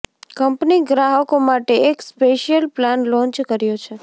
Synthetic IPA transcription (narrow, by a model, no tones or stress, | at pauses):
kəmpniɡɾaɦəkomaʈeːkspeʃijəlplanlɔ̃ɲt͡ʃkəɾjot͡ʃʰe